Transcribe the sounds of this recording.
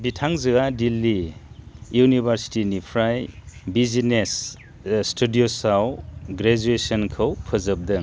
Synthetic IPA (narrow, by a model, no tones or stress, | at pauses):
bitʰaŋzɯadilːi | junibʱaɾsi̥tinipʰɾajbizines | stʰudiosawɡɾed͡ʒuesɔnkʰɐwpʰɯzɐp̚dɯŋ